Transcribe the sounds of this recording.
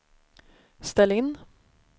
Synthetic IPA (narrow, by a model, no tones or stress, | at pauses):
st̪ɛlːɪnː